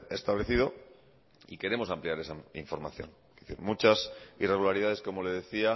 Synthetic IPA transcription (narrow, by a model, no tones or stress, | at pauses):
e̞st̪aβle̞θið̞o̞ | ike̞ɾe̞mo̞sampliaɾe̞saiɱfo̞ɾma̰θjo̞̰ŋ | iθiɾmut͡ʃasire̞ɣulaɾið̞aðe̞sko̞mo̞le̞ð̞e̞θia